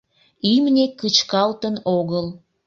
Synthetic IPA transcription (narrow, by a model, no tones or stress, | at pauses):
imnekət͡ɕkɑlt̪ənoɣəl